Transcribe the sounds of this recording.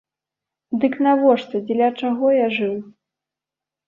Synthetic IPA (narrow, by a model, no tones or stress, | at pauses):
d̪ɨknavɔʂt̪ɐd͡zʲɛlʲat͡ʂaɣɔjaʐɨw